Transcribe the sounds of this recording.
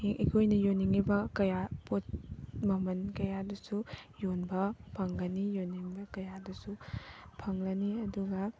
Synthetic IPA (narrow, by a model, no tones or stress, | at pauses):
eŋʔikʰojnɐjoniŋibɐkɐjapot̚mɐmɐnkɐjadusujonbɐpʰɐŋɡɐnijonːiŋbɐkɐjadusupʰɐŋlɐniɐduɡɐ